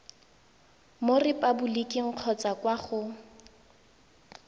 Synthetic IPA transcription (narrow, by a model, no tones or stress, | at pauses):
morɪpʼabʊlikʼɪŋ̩q͡χʰɔt͡sʼakwaχʊ